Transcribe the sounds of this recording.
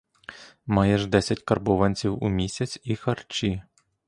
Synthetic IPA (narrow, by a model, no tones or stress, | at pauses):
mɑjɛʒd̪ɛsʲɐtʲkɐrbɔʋɐnʲt͡sʲiwṵmʲisʲɐt͡sʲixɐrt͡ʃi